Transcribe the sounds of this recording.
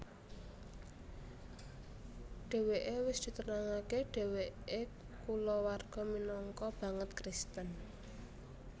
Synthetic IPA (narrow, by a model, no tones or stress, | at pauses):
ɖ̥ɛ̤weʔewɪsd̪̥i̤t̪ənaŋakeɖ̥ɛ̤wee | kulɔwarɡ̥ɔ̤minɔŋkɔb̥ä̤ŋət̪kɾɪst̪ən